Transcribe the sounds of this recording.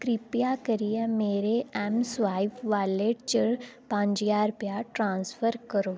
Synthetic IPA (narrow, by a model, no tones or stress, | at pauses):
kɾipjakəɾijemeːɾeɛmsʋaːɪfʋaːleʈt͡ʃəɽpãːɲd͡ʒiaːɾpjaːʈɾãːnsfəɾkəɾoː